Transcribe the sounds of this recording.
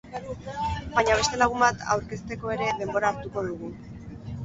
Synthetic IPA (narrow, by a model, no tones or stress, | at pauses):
bajɲaβ̞e̞st̪e̞laɣumbat̪ʰa̰wɾke̞st̪e̞ko̞e̞ɾe̞ðe̞mbo̞ɾaːɾt̪uko̞ðuɣ̞u